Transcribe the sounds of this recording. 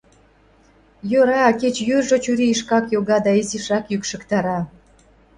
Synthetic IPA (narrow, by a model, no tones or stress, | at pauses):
jøɾɑket͡ɕjyʒot͡ɕyɾiːʃkɑkjoɣɑd̪ɑiziʃɑkjykʃə̆kt̪ɑɾɑ